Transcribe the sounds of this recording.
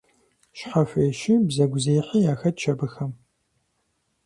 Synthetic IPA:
ʃħɐfʷeːʃɪbzɐɡʷzeːjħijaːxɐt̚t͡ʃʰɐbɨxɐm

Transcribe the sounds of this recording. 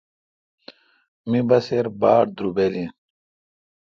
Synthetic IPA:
mibɐseɾbaːɽd̪ɾubelin

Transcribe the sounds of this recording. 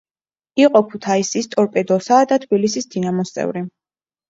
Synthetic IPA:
iqʼɔpʰut̪ʰaisist̪ʼɔɾpʼɛd̪ɔsad̪at̪ʰbilisisd̪̥inamɔst̪sʼɛ̰vɾi

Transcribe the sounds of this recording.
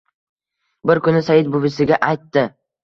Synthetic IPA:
bɪɾkʊnɪsajɪd̪̚bʊbɪsɪɡʲaʔajt̪ːɪ

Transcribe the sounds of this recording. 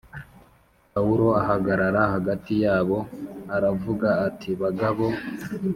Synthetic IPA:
pauɾo̞aɦaɡaɾaɾahaɡatijaːβo̞aɾavuɡaːtʰiβaɡaβo̞

